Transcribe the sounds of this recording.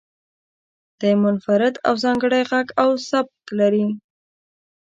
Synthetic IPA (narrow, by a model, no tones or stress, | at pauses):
d̪̥əmʊnfaɾɪd̪a̰wzɑŋɡəɽajɣaɡawsab̚klaɾi